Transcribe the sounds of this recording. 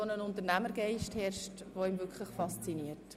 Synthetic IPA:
onənʊnt̪əɾnæməɾɡ̥ɛɪʃthɛrʃtʋoimvʏkχləχfɑst͡siniəɾt

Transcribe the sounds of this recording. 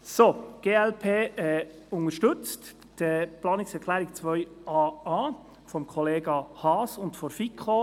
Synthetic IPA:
soɡ̥eːɛlpʰeːɛ | ʊŋəʃtʏt͡st | d̥ɛplɑːnɪksɛɾkʰlæːɾik̚t͡sʋœʏɑːɑː | fɔmkʰɔleːɡɑhɑːsʊntfɔɾfikχo

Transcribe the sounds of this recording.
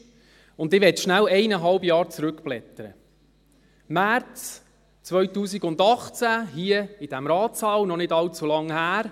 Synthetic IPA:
ʊnd̪ɪʋɛtʃnælɛɪnəɦɑlbjɑːɾt͡sɾʉkplɛt̪əɾə̰ | mæɾt͡s | t͡sʋœɥtuːsiɡʊnd̪ɑχt͡sæɦiəid̥æmɾɑːtsɑːwnɔnɪdɑlt͡sulɑŋhæːɾ

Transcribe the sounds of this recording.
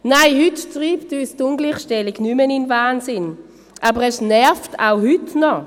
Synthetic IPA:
naɪhyttʁiːptyːstʊnɡliːχʃtɛliɡnymənɪnvaːnsɪn | ʔaːbəʁɛsnɛɐfta̰ʊhytnɔ

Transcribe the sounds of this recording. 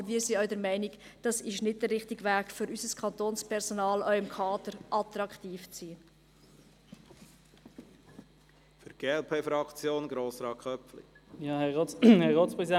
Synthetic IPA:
bmiːsiœɥdɛɾmɛɪniɡd̥ɑsɪʃnɪt̚d̥əːɪχtɪɡʋæːɡ̥fʏɾysəskʰɑnt̪oːnspʰɛɾsonɑːlœɥɪmkʰɑːdəɾʔɑt̪rɑkχtiːft͡siː | fʏɾɡ̥eːɛlpʰeːfɾɑkt͡sjoːnɡ̥ɾoːsɾɑːkʰχœpflḭjɑhɛoːhɛʁoːtspʁɛsid

